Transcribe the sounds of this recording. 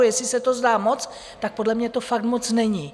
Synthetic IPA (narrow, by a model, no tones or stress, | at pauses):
jɛslɪsɛt̪o̞zdaːmo̞t͡s | t̪ak̚po̞dlɛmɲɛt̪ofak̚t̪mo̞t͡snɛɲɪ